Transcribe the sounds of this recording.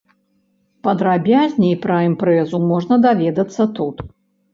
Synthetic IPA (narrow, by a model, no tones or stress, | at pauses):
pɐd̪ɾabʲazʲnʲɛipɾɐɛmpɾɛzumɔʐnɐd̪avʲɛd̪ɐt̪sːɐt̪ut̪